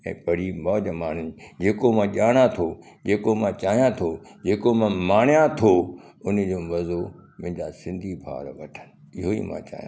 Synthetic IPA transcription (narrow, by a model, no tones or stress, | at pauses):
ɛ̰̃ːpɐɽ̤imɔːd͡ʑmaːɳ̤ʊnɪd͡ʑeːkomãːʄaːɽ̃at̪ʰo | d͡ʑeːkomãt͡ɕaːɦijãt̪ʰod͡ʑeːkomãmaːɳijãt̪ʰoʊn̆d͡ʑoːmɐzomʊ̃ɪ̃ɲd͡ʑasɪ̃nd̪ʱibʱa̰ːɾʋɐʈʰənɪ̆ɪɦoḭmã̰t͡ɕa̰ːɦijã̰